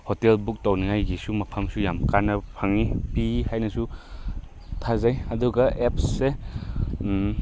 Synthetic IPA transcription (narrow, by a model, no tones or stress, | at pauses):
hotelbuk̚tawniŋajɡisumɐpʰamsujamkanɐpʰaŋipihajnɐsu | tʰazajɐduɡɐep̚se